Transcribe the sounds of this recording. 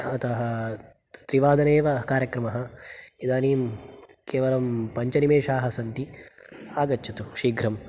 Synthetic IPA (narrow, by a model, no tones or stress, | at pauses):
ɐt̪ɐɦɐ | t̪ɾiʋaːd̪ɐneːʋɐkaːɾjɐkɾɐmɐɦɐid̪aːniːmkeːʋɐlɐmpɐɲt͡ʃɐnimeːʂaːɦɐsɐnt̪i | aːɡɐtːt͡ʃʰɐt̪uʃiːɡɾɐm